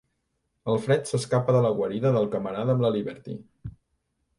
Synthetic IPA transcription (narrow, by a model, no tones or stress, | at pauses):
əlˠfɾɛt̪səskapəðələɣwəɾiðəðəlˠkəməɾaðəmləliβɛɾt̪ḭ